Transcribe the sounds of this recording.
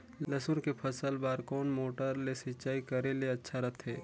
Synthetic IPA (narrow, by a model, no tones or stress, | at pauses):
lɐsʊɾkepʰɐsəlbaːɾkɔːnmoːʈəɾlesɪt͡ʃaːikɐɾeleɐtːʃʰaɾɐt̪ʰɦɛː